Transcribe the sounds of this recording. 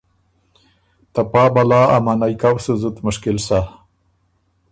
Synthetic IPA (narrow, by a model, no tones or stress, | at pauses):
t̪apaːbalaːa̰manajkawsuzut̪mʊʂkɪlsa